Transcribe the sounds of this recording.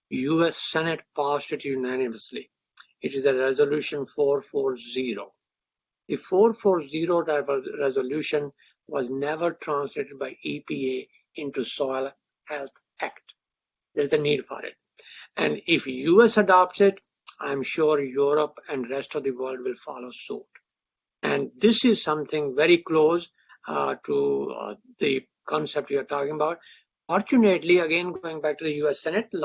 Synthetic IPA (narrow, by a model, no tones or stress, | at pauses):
juːɛsːɛnɪʈpaːsʈɪʈjunænɪməslḭ | ɪʈɪzəɾɛzəljuːʃə̃nfoːɾfoːɾziɾo̰ː | d̪̥ifoːɾfoːɾziːɾoɾɛʋəlɾɛzəluːʃə̃n | ʋɔːznɛʋəɾʈɾãːnsleːʈɪɖ̚baɪiːpiːe | ɪ̃ɳʈusɔɪl | hɛlt̪ʰ | ækʈ | d̪eːɾɪzəniːɖfɔ̰ːɾɪ̰ʈ̚ | ʔɛ̃ɳɖɪfjuːɛsəɖɑp̚ʈsɪʈ | ãɪ̃mʃuːɾjuːɾəpɛ̃ɳɖɾɛsʈɔʋd̪iʋəːlɖʋɪlfɔ̰ːloso̰ːʈ | ʔæ̃ɳɖd̪ɪsɪzsʌ̃mt̪ʰɪ̃ŋʋɛɾikloːz | ʈu | d̪̥i | kʰɔ̃nsɛp̚ʈjiaɾʈɔːkɪ̃ŋəbaʊʈ̚ | fɔːɾt͡ʃuneʈliəɡẽnɡoːɪ̃ŋbæk̚ʈud̪əjuːɛsːɛnəʈ̚l